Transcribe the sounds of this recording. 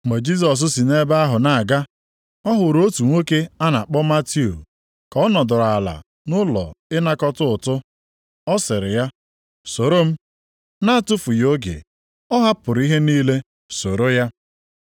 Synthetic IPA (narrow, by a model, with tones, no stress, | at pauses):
ŋ͡me˨d͡ʒi˦s̬ɔ˨s̬ʊ˦si˨ne˦ba˦a˦ɦʊ˨na˨ɡa˦ | ɔ˦ɦʊ˨ɾo˦tu˨ŋʷo˦ke˦a˦na˨k͡pɔ˦ma˦ti˦o̰˨ | kɔ˦nɔ˨dʊ˨ɾa˨la̰˨ | nʊ˦lɔ̰˨ɪ˦na˦kɔ˦tʊ˦ʊ˨tʊ˦ | ɔ˦sɪ˨ɾɪ˨ja˦ | so˨ɾo˦m̩˦ | na˦a˦tʊ˦fʊ˨jo˦ɡḛ˨ | ɔ˦ɦa˦pʊ˨ɾi˦ɦe˦niː˦le˦ | so˨ɾo˦ja˦